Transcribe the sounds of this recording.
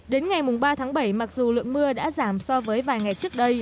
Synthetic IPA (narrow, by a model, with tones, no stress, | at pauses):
ɗe˨˦nŋa˨˩jmʊ˨˩ŋ͡mɓaː˧t̪ʰaː˨˦ŋɓə˧˩jma˨˩k̚zu˨˩lɨ̰˧˨əŋmɨ˧əɗa̰ː˧˥zaː˧˩msɔ˧vəː˨˦jvaː˨˩jŋa˨˩jt͡ɕɨ˦˥ək̚ɗə˧j